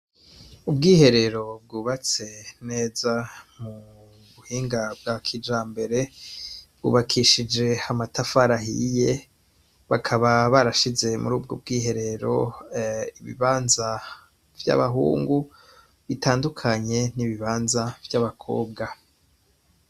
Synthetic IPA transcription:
ubɡiːhe̞ɾe̞ɾo̞b̚ɡuːβat͡se̞ne̞ːzamu | βuhiːŋɡab̚ɡakʰid͡ʒaːmbe̞ɾe̞ | bɡ̥ṵːβakʰiʃid͡ʒe̞amatafaɾaɦḭje̞ | βakʰaβaβaɾaʃize̞mṵɾuːb̚ɡob̚ɡiːɦe̞ɾe̞ɾo̞ | iβḭβaːnza | vja̰βaɦṵːŋɡu | βitʰaːndukʰaɲe̞niβiβaːnzavjaβakʰo̞̰ːb̚ɡa

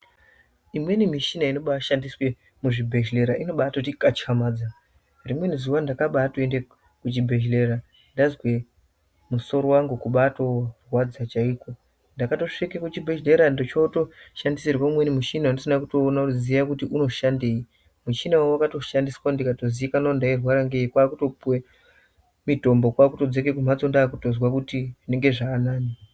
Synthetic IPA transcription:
imwe̞nimiʃinaino̞ɓaʃandiswe̞ | muʐibʱe̞ʃle̞ɾaʔino̞ɓaatotikat͡ʃxamaːd͡za | rimwe̞nizuwandakaɓatoende | kut͡ʃibʱe̞ʃle̞ɾa | ndazwe̞ | muso̞ɾo̞waŋɡukuɓato̞rwad͡zat͡ʃaiːko̞ | ndakato̞ʂikekut͡ʃibʱeʒle̞ɾandot͡ʃoto̞ʃandiserwamwe̞nimut͡ʃinaandisinakuto̞ːnauzijakutiʔuno̞ʃandei | mut͡ʃinawawakato̞ʃandiswaundikato̞ziikanandairwaɾaŋɡeikwaːkuto̞puwe | mito̞mbo̞kwaːkuto̞d͡zekekumat͡sondaːkuto̞zwakutiʐine̞ŋɡe̞ʐaːnaːni

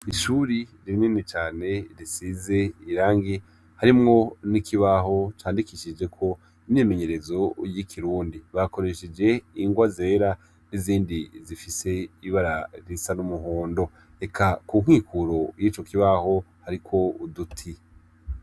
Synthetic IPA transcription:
iʃuːɾiɾiɾininit͡ʃaːne̞ɾisize̞iɾaːŋɡi | haɾimŋo̞nikʰiβaɦo̞t͡ʃaːndikiʃid͡ʒe̞kʰo̞ | imɲime̞ɲe̞ɾe̞zo̞jikʰiɾuːndiβako̞ɾe̞ʃed͡ʒe̞iŋɡwazie̞ɾa | niziːndizifise̞iβaɾaɾisanumuɦoːndo̞ | e̞kʰakuŋ̥hiːkʰuɾo̞jiːt͡ʃo̞kiβaho̞haɾikʰo̞udutʰi

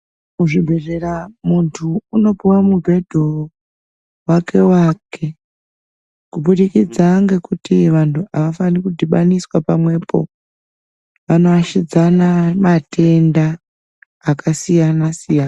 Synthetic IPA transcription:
kuʐibʱe̞re̞ramuntʰuːno̞piwamuɡʱe̞dʱo | wake̞wakʰe̞ | kuɓuɗikid͡zaŋɡe̞kutiʋantʰuʔaʋafanikudʱiɓaniswapamwe̞po̞̰ | ʋano̞aʃid͡zanamatʰe̞ndaː | kʰasijanasijana

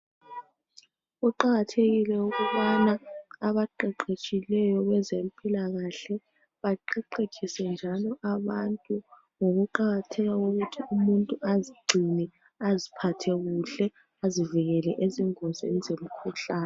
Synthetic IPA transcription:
ɣuǃaɣatʰeɣilɛuɣuβanaːβaǃɛǃet͡ʃʼilɛjɔɣɛzempʼilaɣaɬɛ | βaǃɛǃet͡ʃʰʼisɛnd͡ʒʱalɔʔaβantʼu | ŋoɣuǃaɣatʰɛɣauɣutʰiumuntʼuʔaziɡ͡ǀʱinɛ | azipʰatʰɛɣuɬɛ | aziviɣɛlɛʔeziŋɔzḛnizem̩kʰuɬaːnɛ

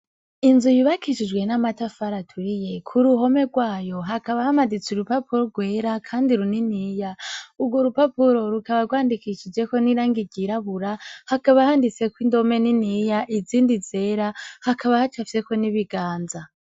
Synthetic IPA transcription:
inzujuβakiʃid͡ʒɡwe̞namatafaɾatʰuɾije̞kʰuɾuɦo̞me̞ɡwaːjo̞ɦakaβahamadit͡suɾupapuɾoɡwe̞ːɾakʰaːndiɾuniniːjauɡwoɾupapuɾo̞ɾukaβaɾɡwaːndikiʃid͡ʒe̞ko̞niɾaːŋɡiɟiɾaβuɾahakaβahandit͡se̞kwindo̞me̞ninijaʔiziːndize̞ɾahakaβahat͡ʃafiseko̞niβiɡaːnza

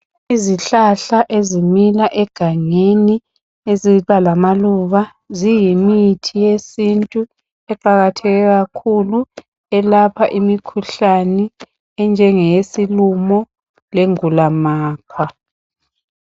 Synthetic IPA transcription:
iziɬaɬaʔezimilaʔɛɡ̥ʱaŋeni | eziβalamaluβa | zijimitʰijesintʼu | ɛǃaɣatʰɛɣɛɣakʰulu | ɛlapʰaʔimikʰuɬanɛ | ɛnd͡ʒʱɛŋɛjesilumɔ | leŋulamaːkʰwa

